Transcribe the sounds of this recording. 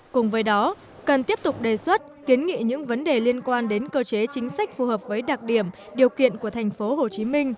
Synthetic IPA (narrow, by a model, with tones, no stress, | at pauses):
kʊ˨˩ŋ͡mvəː˨˦jɗɔ˨˦ | kə˨˩nt̪i˦˥əp̚t̪ʊ˨˩k͡p̚ɗe˨˩swə˦˥t̚ki˨˦ənŋḭ˧˨ɲɨ̰˧˥ŋvə˨˦nɗe˨˩li˧ənkwaː˧nɗe˨˦nkəː˧t͡ɕe˨˦t͡ɕï˨˦ŋ̟sa˦˥k̚fu˨˩həː˨˩p̚vəː˨˦jɗa˨˩t̚ɗi˧˩əm | ɗi˨˩əwkḭ˧˨ənku˧˩ət̪ʰjŋ̟fo˨˦ɦo˨˩t͡ɕi˨˦mï˧ŋ̟